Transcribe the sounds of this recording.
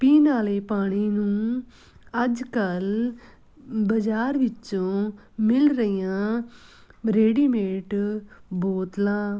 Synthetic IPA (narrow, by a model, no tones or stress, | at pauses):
piːnaːleːpaːɽ̃iːnũː | əd͡ʒkəl | bəd͡ʒaːɾʋɪt͡ʃõː | mɪlɾəiːjãː | ɾeːɖiːmeːʈboːt̪lãː